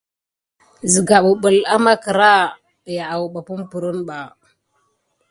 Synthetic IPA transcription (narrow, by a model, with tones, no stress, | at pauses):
zi˨ɡa˨ɓu˨ɓu˨la˦ma˦kə˨ɾa˦˨ | ja˨a˨wu˨ɓa˨pu˦mpu˨ɾu˦nɓa˨